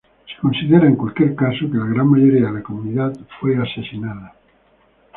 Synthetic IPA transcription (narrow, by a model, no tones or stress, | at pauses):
se̥konsiðeɾaeŋkwalkeɾkasokelaɣ̞ɾanmaʝoɾiaðakomuniðaðfwejasesinaða